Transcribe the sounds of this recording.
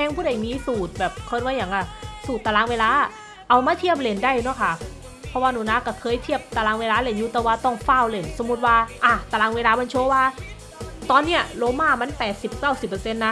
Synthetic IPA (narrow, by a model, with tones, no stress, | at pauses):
pʰɛ˧ŋpʰuː˧˥˩da˨˩jmiː˧˥suː˨˩t̪̚bɛː˨˩p̚kʰɤ˧˥˩nwaː˧˩jaː˨˩˦ŋʔa˧˩suː˨˩t̪ːa˧laː˧˥ŋweː˧laː˧˥ʔ | ʔa˧˩wmaː˧˥t̪ʰi˥˩əp̚le˨˩ndaː˧˩jnɔ˧˥˨kʰa˧˩ | pʰɔ˧waː˧nuː˨˩˦naː˧˥kɔː˧˩kʰɤː˧˥˨jt̪ʰi˥˩əp̚t̪a˧laː˧ŋweː˧laː˧˥le˧˩njuː˧˦t̪ɛː˨˩waː˧˩t̪ɔ˧˥˩ŋfa˧˥˩wle˧˩nso˨˩˦mːu˧t̪̚waː˧ʔa˧˩t̪aː˧laː˧ŋweː˧laː˧˥ma˧˥nt͡ɕʰu˧˦ə˧waː˧ | t̪ɔː˧nːi˦˥ɐloː˧˥maː˧˥˩ma˧˥˨npɛː˨˩t̪̚si˨˩p̚kaː˥˩wsi˨˩pːɤ˧se˧nːa˦˥